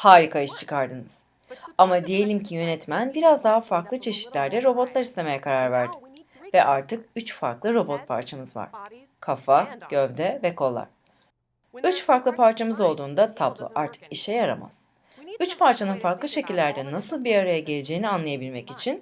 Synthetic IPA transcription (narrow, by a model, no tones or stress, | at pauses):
haːɾikʰaiʃt͡ʃʰɯ̥kʰaɾd̪ɯnɯz̥ | amad̪ije̞lʲimcʰijø̞nɛt̪mænbiɾazd̪aɦafaɾklˠɯt͡ʃʰe̞ʃi̥t̪lʲæɾd̪ɛɾo̞bo̞t̪lˠaɾist̪ʰe̞me̞jɛkʰaɾaɾvæɾd̪i | vɛʔaɾt̪ʰɯkyt͡ʃfa̰ɾklˠɯɾo̞bo̞t̪̚pʰa̰ɾt͡ʃʰamɯzva̰ɾ̥ | kʰafaɟ̥ø̞vd̪ɛvɛkʰo̞lˠːa̰ɾ̥ | yt͡ʃfaɾklˠɯpʰaɾt͡ʃʰamɯzo̞lˠd̪uːnd̪at̪ʰablˠo̰ʔaɾt̪ʰɯ̥kiʃɛjaɾa̰ma̰z̥ | yt͡ʃpaɾt͡ʃʰanɯnfaɾklˠɯʃe̞cilʲːæɾd̪ɛnasɯlˠbiaɾajaɟe̞lʲed͡ʒe̞jinianlˠajabilʲmɛcit͡ʃʰin